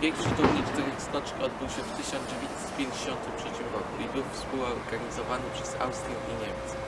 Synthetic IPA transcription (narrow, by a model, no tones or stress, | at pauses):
ɛŋkʂɘt̪ɔwɲit͡ʂt̪ɛɾst̪ɔt͡ʂɲiɔd̪̚bɘwɕɛft̪ɘɕɔnzd͡ʑevʲjeɲt̪sɛ̥t̪̚pʲjeɲd͡ʑeɕɔnt̪ɘtʂɛt͡ɕimɾɔkuibɘwfspuwɔɾɡaɲizɔvanɘpʂɛza̰wst̪ɾʲjiʔiɲɛmʲts